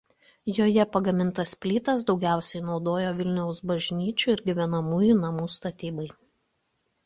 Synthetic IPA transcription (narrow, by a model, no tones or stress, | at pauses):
joːjɛpɐɡɐmʲɪnt̪ɐspʲlʲiːt̪ɐs̬d̪ɒʊɡʲæˑʊsʲɛɪnɒʊd̪oːjoːʋʲɪlʲnʲɛʊsbɐʒʲnʲiːt͡ʃʲuːˑɪɾɡʲɪʋʲɛnɐmuːjuˑnɐmuːst̪ɐt̪ʲiːbɐɪ